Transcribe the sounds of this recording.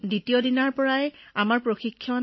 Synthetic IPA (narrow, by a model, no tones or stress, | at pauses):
ditiodinaɹpɔɹajamaɹpɹoxikʰːjɔn